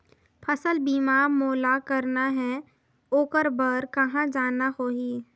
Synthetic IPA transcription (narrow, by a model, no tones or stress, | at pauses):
pʰɐsəlbiːmamoːlakɐɾnaɦɛ | oːkəɾbəɾkɐɦãd͡ʒaːnahoːɦiː